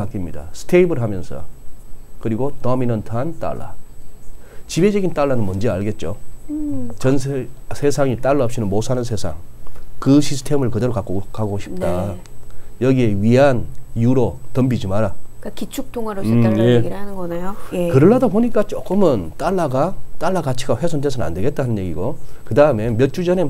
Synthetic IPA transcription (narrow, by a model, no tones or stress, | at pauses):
ak͈imɲida̰sʰɯ̥tʰeibɯɭɦamjʌnsʰʌ̰ | kɯɾiɡotʌminʌntʰant͈a̰ɭːa̰ | t͡ɕibe̞d͡ʑʌɡint͈aɭːanɯnmʌnd͡ʑeaɭɡe̞t̚t͡ɕ͈o | t͡ɕʌnsʰsʰe̞sʰaŋit͈aɭːaʌp̚ɕ͈ʰinɯnmosʰanɯnsʰe̞sʰa̰ŋkɯɕʰisʰɯ̥tʰe̞mɯɭkɯdeɾokak͈okaɡoɕʰi̥p̚tt͈a | jʌɡie̞ɥianjuɾotʌmbid͡ʑimaɾakakit͡ɕʰuk̚tʰoŋaɾojeianɯnɡʌneokɯɾʌɭɦadaboɲik͈at͡ɕ͈ok͈ɯmɯnt͈aɭːaɡat͈aɭːakat͡ɕʰiɡaɸwesʰont̬esʰʌna̰nde̞ɡe̞t͈̚aɦanɯnje̞ɡiɡokɯdaɯme̞mjʌt̚t͡ɕ͈ud͡ʑʌne̞